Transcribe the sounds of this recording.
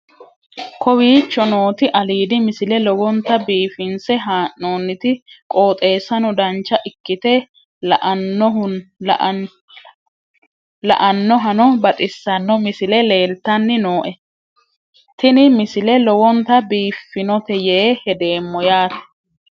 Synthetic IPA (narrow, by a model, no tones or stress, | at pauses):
kʰɔwiːt͡ʃːɔnoːt̪ɪʔɐliːd̪ɪmɪsɪlɛlɔwɔnt̪ɐbiːfɪnsɛɦaːʔnoːnːɪt̪ɪkʼo̞ːt̪ʼe̞ːsɐnɔd̪ɐnt͡ʃːɐʔɪkːɪt̪ɛ | lʔ | lɐ̰ʔɐnːɔɦɐnɔbɐt̪ʼɪsːɐnːɔmɪsɪlɛle̞ːlt̪ːɐnːɪnoːʔɛ | t̪ɪnɪmɪsɪlɛlɔwɔnt̪ɐbiːfːɪnɔt̪ɛjeːhɛd̪e̞ːmːɔjaːt̪ɐ̥